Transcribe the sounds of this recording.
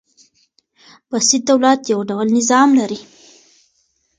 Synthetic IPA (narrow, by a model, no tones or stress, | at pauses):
b̥asid̪̚d̪awlat̪jawɖawlnɪzɑmlaɾi